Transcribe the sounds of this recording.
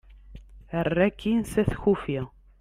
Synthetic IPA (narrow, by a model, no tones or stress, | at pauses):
ərːækʰːinsæθçufi